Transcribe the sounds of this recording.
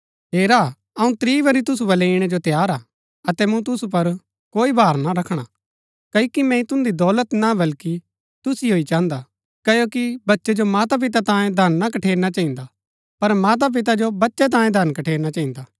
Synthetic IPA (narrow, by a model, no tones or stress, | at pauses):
ɦeːɾaː | ɐũt̪ɾiːʋɐɾit̪ʊs̬ubɐleːɽ̃ɛd͡ʒot̪jaːɾaː | ɐt̪ɛmũt̪̬ʊsup̬ɐɾ | koːibʱaːɾnaɾɐkʰɽ̃a | kɐikimɛ̃ĩt̪ʊ̃nd̪id̪ɔːlət̪nabɐlki | t̪ʊsiɦoːit͡ʃãːnd̪a | kɐjokibɐtːʃɛd͡ʒomaːt̪ap̬ɪt̪at̪ãːjẽd̪ʱɐnːakɐʈʰeːɾnat͡ʃaːĩnd̪a | pɐɾmaːt̪̬ap̬ɪt̪̬ad͡ʒobɐtːʃɛt̪̬ãːjẽd̪ʱɐnkɐʈʰeːɾnat͡ʃaːĩnd̪aː